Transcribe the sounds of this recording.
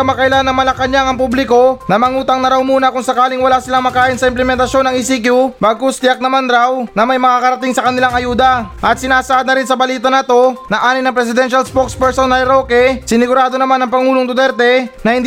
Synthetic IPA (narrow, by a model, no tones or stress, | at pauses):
ɐmakɐʔɪlanɐŋmɐlɐkaɲaŋɐŋpublɪko̞nɐmɐŋuːt̪ɐŋnɐɾawmuːnɐkʊŋsɐkaːlɪŋwɐlasɪlaŋmɐkaːʔɪnsɐɪmplɛmɛnt̪ɐʃo̞nːɐŋisik̬jubaɡkːost̪ɪjak̚nɐmanɾawnɐmɐjmɐŋaːkɐɾɐt̪iŋsɐkɐnɪlaŋɐjuːd̪ɐʔɐt̪̚sɪnaːsɐʔad̪̚nɐɾɪnsɐbɐliːt̪ɐnɐt̪o̞nɐʔaːnɪŋnɐŋpɾɛs̬ɪd̪ɛnʃɐlspokspɛɹsonːɐjɾokɛsɪnɪɡʊɾaːd̪o̞nɐmanɐŋpɐŋuːloŋt̪ʊt̪ɛɾt̪ɛnɐhɪnd̪